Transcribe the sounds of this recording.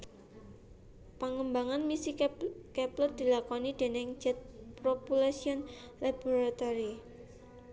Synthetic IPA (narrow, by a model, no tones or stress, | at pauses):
paŋəmbaŋanmisikɛplʊr̚d̪̥i̤lakɔnid̥̪e̤nɪŋd͡ʒɛt̪̚pɾɔpulasiɔn | lab̥o̤ɾat̪ɔɾi